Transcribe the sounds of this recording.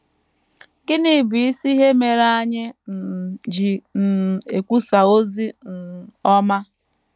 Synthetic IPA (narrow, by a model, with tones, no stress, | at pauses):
ɡɪ˦ni˨bi˨i˦si˦ɦe˦me˨ɾa˦ɲɪ˦n̩˨d͡ʒi˨n̩˨e˨kʷu˦sa˨o˦zi˦n̩˨ɔ˦ma˦